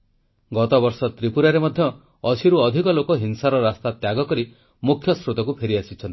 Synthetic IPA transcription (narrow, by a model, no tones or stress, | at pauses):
ɡɔt̪ɔbɔɾsɔt̪ɾipuɾaɾemɔd̪ʱjɔ | ɔsʰiɾuɔd̪ʱikɔlokɔɦinsaɾɔɾast̪at̪jaɡɔkɔɾi | mukʰjɔsɾut̪ɔkupʰeɾiasit͡ʃʰɔn